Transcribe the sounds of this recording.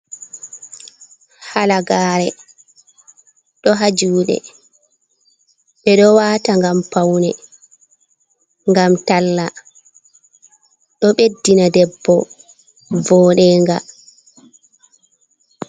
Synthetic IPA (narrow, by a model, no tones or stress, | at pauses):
halaɡaːɾɛ | ɗɔɦad͡ʒuːɗɛ̰ | ɓɛɗɔwaːtaŋɡampawnɛ | ŋɡamtalːa | ɗɔɓedːinadɛbːɔ | vɔːɗɛːŋɡa̰